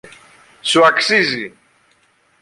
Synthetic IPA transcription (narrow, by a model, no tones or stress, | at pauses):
suaksizi